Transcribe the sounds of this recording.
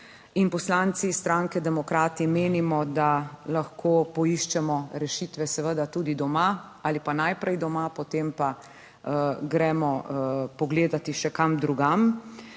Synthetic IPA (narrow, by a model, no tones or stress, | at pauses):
inpɔslant̪sist̪ɾaŋkɛd̪ɛmɔkɾaːt̪imeːnimɔd̪alaxkʰoːpɔiʃt͡ʃɛmɔɾɛʃit̪ʋɛsɛʋəd̪at̪uːd̪id̪ɔma | alipanajpɾɛjd̪ɔmapɔt̪eːmpa | ɡɾɛmɔpɔɡleːd̪at̪iʃɛkamd̪ɾuɡam